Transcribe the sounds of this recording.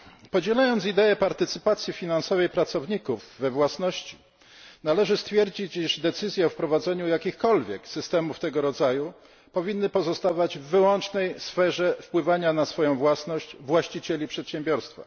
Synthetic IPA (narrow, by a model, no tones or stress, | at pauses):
pɔd͡ʑɛlajɔnt̪sid̪ɛɛpaɾt̪ɘt̪sɘpat̪sʲjifʲinansɔvɛjpɾat̪sɔvɲikuvːɛvwasnɔɕt͡ɕi̥ | nalɛʐɘst̪fʲjɛɾd͡ʑit͡ɕiʐd̪ɛt̪sɘzʲjɛɔfpɾɔvad̪zɛɲujakʲixkɔlvʲjɛksɘst̪ɛmuft̪ɛɡɔɾɔd̪zaju | pɔvʲinːɘpɔzɔst̪avad͡ʑvːɘwɔnt͡ʂnɛjsfɛʐɛfpwɘvaɲanasfɔjɔ̃w̃vwasnɔɕt͡ɕvwaɕt͡ɕit͡ɕɛlʲipʂɛt̪ɕɛ̃mbʲjɔɾst̪fa̰